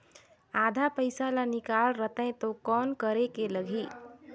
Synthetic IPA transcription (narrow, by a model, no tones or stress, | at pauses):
ad̪ʱapəjsalanikalɾət̪ə̃ɪ̃t̪okɔnkəɾekeləɡʱi